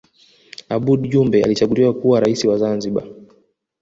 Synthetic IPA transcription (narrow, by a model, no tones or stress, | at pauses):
aɓuɗʄumbɛa̰lit͡ʃaɡuliwakuwaɾaisiwazanziɓa̰